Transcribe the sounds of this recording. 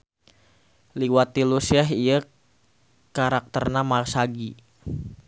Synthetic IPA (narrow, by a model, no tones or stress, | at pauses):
liwat̪ilusiɛɦijə | kaɾak̚t̪ərnamarsaɡi